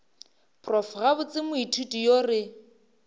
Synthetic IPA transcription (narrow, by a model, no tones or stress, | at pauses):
pʰʼrɔfɣabʊt͡sʼɪmʊitʰutʼijorɪ